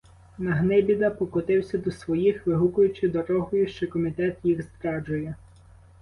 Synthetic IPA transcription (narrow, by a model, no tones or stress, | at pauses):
nɐɦnɪbʲid̪ɐpɔkɔt̪ɪwsʲɐd̪ɔsʋɔjixʋɪɦukʊjʊt͡ʃɪd̪ɔɾɔɦʊjʊʃt͡ʃɔkɔmʲit̪ɛt̪jixzt̪ɾɑd͡ʒʊjɛ